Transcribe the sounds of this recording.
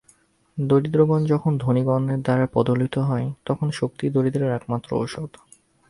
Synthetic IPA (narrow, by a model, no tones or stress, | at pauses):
d̪oɾid̪ɾoɡɔnd͡ʑɔkʰond̪ʱoniɡɔnːeɾd̪aɾapɔd̪olit̪oɦɔet̪ɔkʰonʃok̚t̪id̪oɾid̪ɾeɾɛkmat̪ːɾo̰o̰ʃod̪